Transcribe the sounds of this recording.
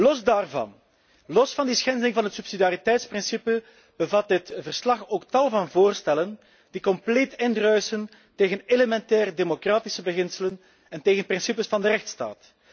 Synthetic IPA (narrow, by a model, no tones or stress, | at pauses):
lɔzdaːrvɑ̰n | lɔsfɑndisxɛndəlɪŋvɑnɦət̪sypsidjaɾitɛjtsprɪnsipə | b̥əvɑt̚dɪtvərslɑxoːktɑlˠvɑnvoːrstɛlən | d̥ikɔmpleːtɪndrœɥsən | teːɣəneləmɛntɛːrdemokraːtisəbəɣɪnsələn | ɛnteːɣənprɪnsipəsfɑndəɾɛxtsta̰ːt